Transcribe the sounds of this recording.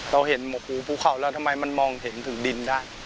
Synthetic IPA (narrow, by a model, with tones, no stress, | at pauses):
ɾa˧wɦe˩˦nmɔ˨˧˦pʰuː˧˦pʰuː˥˩kʰa˨˩˦wlɛː˦˥˩wt̪ʰa˧mːa˧jma˧nmɔː˧ŋɦe˩˦nt̪ʰɯ˩˦ŋdi˧ndaː˥˩j